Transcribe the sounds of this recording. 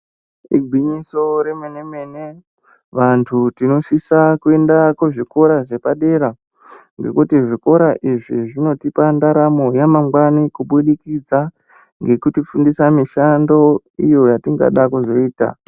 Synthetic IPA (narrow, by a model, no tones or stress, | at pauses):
ḭɡʱiɲiso̞ɾemene̞me̞ne | ʋantʰutino̞sisakue̞ndakuʐiko̞ɾaʐe̞paɗe̞ɾa | ŋɡe̞̰kutiʐiko̞ɾaʔiʐiʐino̞tipandaɾamo̞jamaŋɡwanikuɓulikid͡za | ŋɡe̞kutifundisamiʃando̞ | ijo̞jatiŋɡa̰ɗakuʐo̞iːta̰